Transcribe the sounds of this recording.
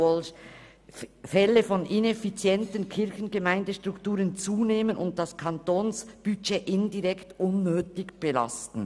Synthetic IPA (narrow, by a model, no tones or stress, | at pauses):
ɔl | fɛləfɔnʔɪnɛfit͡sjɛntənkʰɪɾçn̩ɡəmaɪndəʃtʁ̥ʊktuːʁənt͡suːneːmənʊnt̚d̥askʰɑntoːnsb̥yt͡ʃeːʔɪndiʁɛktʔʊnːøːtɪɡb̥əla̰stn̩